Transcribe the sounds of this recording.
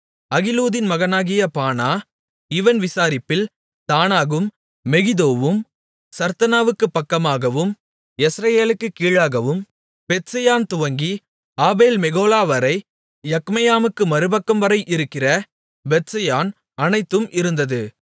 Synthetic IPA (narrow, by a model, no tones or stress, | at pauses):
ɐɣɪluːðɪnmɐɣɐnaːɣɪjɐpaːnaː | ɪʋɐnʋɪsaːɾɪpːɪl | t̪aːnaːɣɯmː | ɛɣɪðoːʋɯm | sɐɾt̪ɐnaːʋɯkːɯpːɐkːɐmaːɣɐʋɯm | ɛsɾɐjeːlɯkːɯkːiːɻaːɣɐʋɯm | bɛt̪sɐjaːnt̪ʊʋɐŋɡi | aːbeːlmɛɣoːlaːʋɐɾɐɪ | jɐkmɐjaːmɯkːɯmɐɾɯbɐkːɐmʋɐɾɐɪʔɪɾɯkːɪrɐ | bɛt̪sɐjaːn | ɐnɐɪt̪ːɯmʔɪɾɯnd̪ɐðɯ